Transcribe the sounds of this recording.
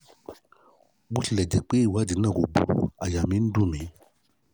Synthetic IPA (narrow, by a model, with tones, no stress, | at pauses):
bu˦ʃi˨lɛ˨d͡ʒe˨k͡pe˦i˦˨wa˨˦d͡ʒi˨˦nã˦˨ɡo˨bṵ˨a˨ja˨mĩ˨˦n̩˦dũ˦˨mĩ˨˦